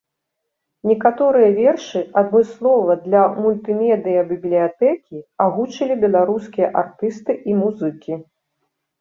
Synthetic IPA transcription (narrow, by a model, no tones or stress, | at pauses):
nʲɛkat̪ɔɾɨjɐvʲɛrʂɨɐd̪mɨslˠɔvɐd̪lʲɐmulʲt̪ɨmʲɛd̪ɨjɐbʲiblʲijat̪ɛkʲiaɣut͡ʂɐlʲibʲɛlˠaɾuskʲijɐʔart̪ɨst̪ɨʔimuzɨkʲi